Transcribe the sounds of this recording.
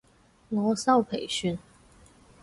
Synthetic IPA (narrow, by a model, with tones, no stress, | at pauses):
lɔ˧˥sɑ˥˨ʊpʰe˨˩ɪɕy˥˨n